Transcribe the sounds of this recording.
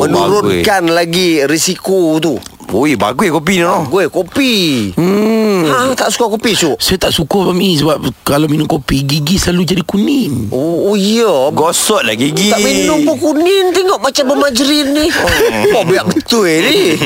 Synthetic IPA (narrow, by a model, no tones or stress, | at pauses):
mənuɾʊkanlaɡiɾisikut̪̬u | ojba̰ɡuikop̬inɔɔɡoekopi | at̪aʔsu̥kakopisuʔsajət̪aʔsukɔpamis̬əbap̚kalominʊmkopiɡiɡislalud͡ʒadikuninoijoɡosɔʔlaɡiɡit̪aʔminʊŋpəkunint̪iŋɔʔmat͡ʃambəmad͡ʒɾinːi | ɔʔbajaʔ̚bət̪uedi